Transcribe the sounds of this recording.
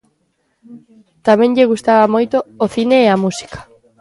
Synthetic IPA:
t̪amẽŋʎeɣ̞ust̪aβamojt̪oːθineːamusi̥kḁ

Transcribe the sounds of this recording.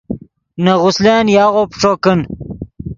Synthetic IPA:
nɐʁʊsleːnjaːʁopʈ͡ʂoːkən

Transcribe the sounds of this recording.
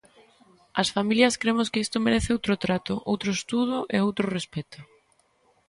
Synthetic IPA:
ɐsfamiljɐskɾemʊskɪist̪omeɾeθɪowt̪ɾot̪ɾat̪ʊʔowt̪ɾoest̪uð̞ʊʔeowt̪ɾʊrespɛt̪ʊ

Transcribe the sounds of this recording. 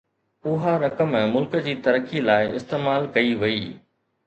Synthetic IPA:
ʊɦaɾɐkəmmʊlkə̆d͡ʑiːt̪ɐɾəkilaːɪɪst̪eːmaːlkɐiʋɐiː

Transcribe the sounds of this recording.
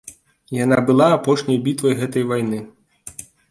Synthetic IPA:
jan̪abɨlˠaːpɔʂnʲɐjbʲit̪vɐjɣɛt̪ɐjvajnɨ

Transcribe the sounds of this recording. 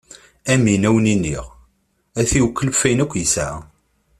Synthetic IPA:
æminæwəninːiʁ | æθiwkːəlfæjnækʷːjəsæ

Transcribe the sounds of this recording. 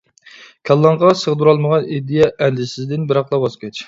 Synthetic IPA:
kʲʰɑlˠːɑɴʁɑsəʁd̪uɾɑlˠməʁɑnid̪ijɛʔɛnd̪ɪsɪzd̪ɪnbɪɾɑχlˠɑbɑskʲʰɛt͡ʃ

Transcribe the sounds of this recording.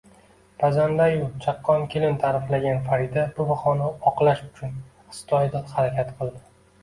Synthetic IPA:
bazand̪ajʊt͡ʃʰaqːɒnkʲʰelɪnt̪ʰaɾɪflaɡʲanfaɾid̪abʊbaχɒnaɒqlaʃʊt͡ʃʰʊn | ɪ̥st̪ʰɒjd̪ɒt̪haɾakʲʰat̪qʰɨlˠd̪ɪ

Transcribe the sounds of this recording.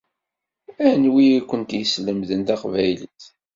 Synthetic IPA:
ænwiækʷːənt̪jəsləmðənt̪aqvæjləθ

